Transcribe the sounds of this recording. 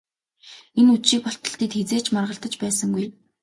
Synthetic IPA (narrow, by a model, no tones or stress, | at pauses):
enuʃiːk̚pɔɬt̪ɞ̆ɬt̪iːt̪xet͡seːt͡ɕʰmarʁə̆ɬt̪ə̆t͡ɕpæːsə̆ŋɡuj